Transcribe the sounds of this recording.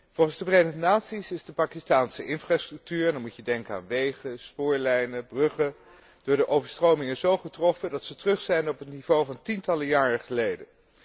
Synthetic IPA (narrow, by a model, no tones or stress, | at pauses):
v̥ɔlˠχənzdəvrejdəχənaːtsisɪzdəpaːkɪstaːnsəɪnfraːstrɵk̚tyːɹɛnɑnmucjədɛŋkəa̰ːnʋejχəspʊːɹlɛjnəbrɵχə | d̥ʊːɹdəʔowvəɹstrowmɪŋəzowχətrɔfədɑtsətrɵχsɛjnɔpətnivowvɑntintɑləjaːrəχəlejdə